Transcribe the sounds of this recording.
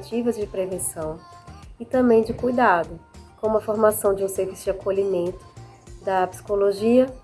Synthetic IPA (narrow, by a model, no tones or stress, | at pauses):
t͡ʃivɐzd͡ʒɪpɾevẽsɐ̃w̃ɪt̪ɐ̃bẽj̃d͡ʒɪkujd̪ad̪ʊkõũmɐfoɾmasɐ̃w̃d͡ʒɪũseɾvisʊd͡ʒɪakoʎimẽnt̪ʊ̥ | d̪ɐpsi̥koloʒiɐ